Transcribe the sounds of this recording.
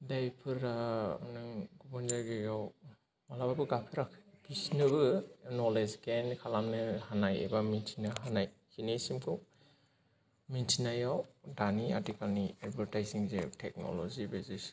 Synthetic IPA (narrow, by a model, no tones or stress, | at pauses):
dajpʰɯɾa̰nɯŋɡubɔnzajɡɯjaw | malabaɡɯɡapʰɯɾakʰpʰisnɯbɯnɔlezɡenkʰalamnɯhanajḛbamintʰinaɦanaj | hinesimkʰɯw | mintʰinajawdania̰tikalniadbʱaɾtajziŋzḛtʰek̚no̰lɔ̰zibezis